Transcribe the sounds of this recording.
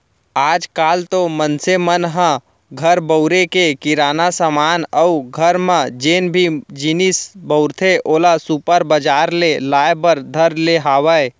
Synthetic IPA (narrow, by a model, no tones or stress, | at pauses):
aːd͡ʒkaːlt̪omənsemənɦə̃ | ɡʱəɾbəʊɾekekɪɾaːnasamaːnəʊɡʱəɾmãd͡ʒeːnbʱid͡ʒɪnɪsbəʊɾt̪ʰeʔoːlasupəɾbəd͡ʒaːɾlelaːjbəɾd̪ʱəɾleɦaːwəe